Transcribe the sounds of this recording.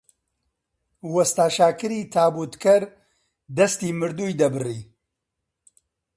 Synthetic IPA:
wɐst̪aːʃaːkɨɾiːt̪ʰaːbuːt̪kʰɐɾ | d̪ɐst̪iːmɨɾd̪uːjd̪ɐbɨriː

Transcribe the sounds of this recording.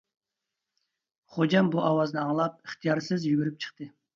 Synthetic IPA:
χod͡ʒɑmbuʔɑwɑznɨɑŋlˠɑp̚iχt̪ʰijɑɾsɨzjyɡʲyɾyp̚t͡ʃʰə̥χt̪ɨ

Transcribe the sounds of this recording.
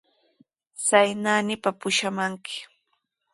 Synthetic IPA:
sajnaːnɪpapʊʃamaŋkɪ̥

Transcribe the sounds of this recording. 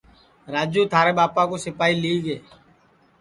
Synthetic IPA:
ɾaːd͡ʒũːt̪ʰaːɾeːɓaːpãkoːsɪpaːiːliːɡeː

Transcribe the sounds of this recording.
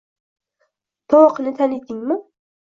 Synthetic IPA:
t̪ʰɒwɒqʰɨnɪt̪ʰanɪd̪ɪŋmɪ

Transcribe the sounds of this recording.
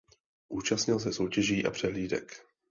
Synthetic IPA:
ʔuːt͡ʃastɲɪls̬ɛso̞wcɛʒiːʔa̰pr̝̥ɛɦliːdɛ̰k

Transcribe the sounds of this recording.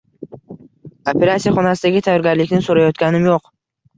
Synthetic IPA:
opʰe̞ɾat̪sijaχɒnasɪd̪aɡʲɪt̪ʰajɒɾɡʲaɾlɪkʲnɪsoɾajɒt̪kʲanɪmjoq

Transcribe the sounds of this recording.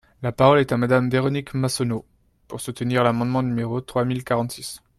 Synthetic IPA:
lapaʁɔlɛt̪amad̪amd̪eʁɔnikmasɔno | puʁsut̪əniʁlamɑ̃d̪mɑ̃nymeʁot̪χwamilkaʁɑ̃t̪sis

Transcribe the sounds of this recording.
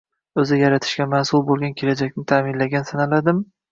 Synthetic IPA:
ɵzɪjaɾat̪ʰɪ̥ʃkʲamansʊlˠbolˠɡʲankʲʰe̞lad͡ʒakʲnɪt̪ʰamɪnlaɡʲansanalad̪ɪm

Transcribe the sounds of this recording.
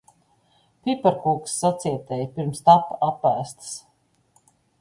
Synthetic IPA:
pʲipɛɾkuːksːat̪siɛt̪ɛjpiɾmst̪apːapːæːst̪s

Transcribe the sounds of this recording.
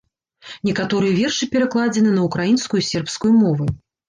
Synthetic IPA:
nʲɛkat̪ɔɾɨjɛvʲɛrʂɨpʲɛɾaklˠad͡zʲɛnɨnɐukɾajinskujusʲɛrpskujumɔvɨ

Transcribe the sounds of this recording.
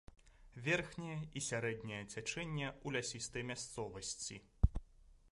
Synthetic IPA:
vʲɛrxnʲɐjɛisʲaɾɛd̪nʲɐjɐt͡sʲat͡ʂɛnʲːɐulʲasʲist̪ɐjmʲast̪sɔvɐsʲt͡sʲi

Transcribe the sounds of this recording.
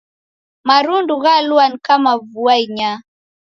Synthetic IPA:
maɾunduɣaluanikamavuaiɲa

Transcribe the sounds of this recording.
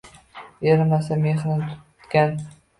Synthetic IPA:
eɾmasameχnɪnt̪ʰʊ̥t̪kʲan

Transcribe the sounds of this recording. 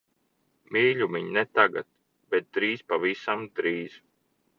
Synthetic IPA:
miːʎʲumiɲnɛt̪aɡat̪̚ | b̥ɛt̪̚d̪ɾiːspavisamd̪ɾiːz̥

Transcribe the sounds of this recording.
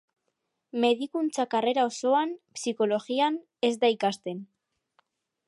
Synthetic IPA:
me̞ðikunt͡sakare̞ɾao̞so̞anpsiko̞lo̞ɣian | e̞zd̪aikast̪e̞n

